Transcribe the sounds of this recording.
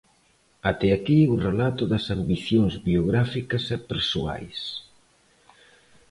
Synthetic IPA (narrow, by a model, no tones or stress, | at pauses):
at̪ɛakiurelat̪ʊðɐsambiθjoŋzβioɣɾafikɐsɛpeɾsua̰js